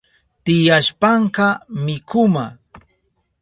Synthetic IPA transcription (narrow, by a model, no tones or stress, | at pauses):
t̪ɪjaʃpɑɴkɑmɪkʊma